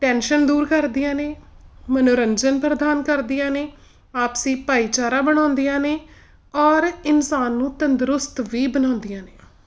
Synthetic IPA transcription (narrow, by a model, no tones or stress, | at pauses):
ʈɛːnʃənd̪uːɾkəɾd̪ijãːneːmənoːɾənd͡ʒənpɾəd̪aːnkəɾd̪ijãːneː | aːpsĩːpaːiːt͡ʃaːɾaːbəɽ̃aːnd̪ijãːneː | ɔːɾɪnsaːnːũːt̪ənd̪ɾʊst̪ʋiːbənãːnd̪ijãːneː